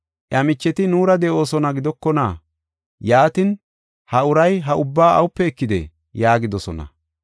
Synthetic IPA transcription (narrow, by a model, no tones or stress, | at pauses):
ʔjɐmɪt͡ʃːɛt̪ɪnuːɾɐd̪ɛʔo̞ːsɔnɐɡɪd̪ɔkːɔnaː | jaːt̪ɪn | hɐʊɾɐjɦɐʔʊbːaːʔɐ̰wʊpːɛɛkːɪd̪ɛ̰ | jaːɡɪd̪ɔsɔnɐ̰